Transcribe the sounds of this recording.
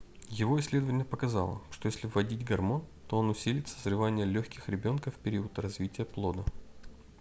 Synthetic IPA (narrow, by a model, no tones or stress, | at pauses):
jɪvo̞ɪsʲːlʲe̞d̪əvənʲɪjəpəkɐzɑ̰lˠə̰ʂt̪o̞jesʲlʲɪvːɐdʲitʲɡɐrmo̞nt̪o̞onʊsʲilʲɪt̪sə̥zrɨvanʲɪjəlʲɵxʲkʲɪxɾʲɪbʲo̞nkəfpʲɪɾʲiʊt̪rɐzvʲitʲɪjəplˠo̞d̪ə